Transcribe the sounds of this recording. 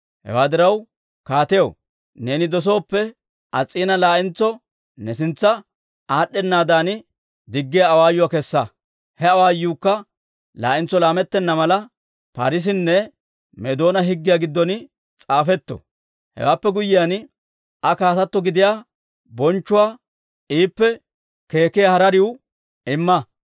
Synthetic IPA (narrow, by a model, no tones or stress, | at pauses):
hɛ̰waːd̪ɪɾɐw | kaːt̪ɛjɐw | ne̞ːnɪd̪ɔs̬o̞ːpːɛ | ʔɐt͡sʼːiːnɐlaːʔɪnt͡sːɔ | nɛs̬ɪnt͡sːɐ | aːɗːɛnːaːd̪aːn | d̪ɪɡːɪjaːwaːjːʊwaːkɛsːɐ | hɛɐwaːjuːkːɐ | la̰ːʔɪnt͡sːɔlaːmɛt̪ːɛnːɐmɐlɐ | pa̰ːɾɪs̬ɪnːɛ | mɛd̪o̞ːnɐɦɪɡːɪjaɡɪd̪ːɔn | t͡sʼaːfɛt̪ːɔ̰ | hɛ̰waːpːɛɡʊjɪjan | ɐkaːt̪ɐt̪ːɔɡɪd̪ɪjaː | bɔnt͡ʃːʊwaː | ʔiːpːɛ | ke̞ːkɪjɐhɐɾɐɾɪw | ɪmːɐ